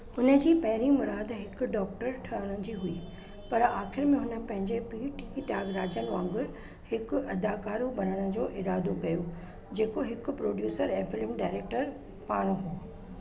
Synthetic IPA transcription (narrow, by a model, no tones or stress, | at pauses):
ʊnə̆d͡ʑiːpɐɦɪɾimʊɾaːd̪ɦɪkʊ̆ɖɔːk̚ʈəɾʈʰɐəɽ̃ə̃d͡ʑiːɦʊi | pɐɾaːxɪɾmẽɦʊnə̆pɐ̃ɦɪ̃ɲd͡ʑepiːʈɪkiʈaːɡɾaːd͡ʑənʋãːŋɡʊɾ | hɪkʊɐd̪aːkaːɾubɐnəɽ̃ə̆d͡ʑoːʔɪɾaːd̪okɐjo | d͡ʑeːkoɦɪkʊ̆pɾoːɖjuːsəɾẽːfɪlɪmɖaːɪɾeːk̚ʈəɾ | paːɽ̃ɦuː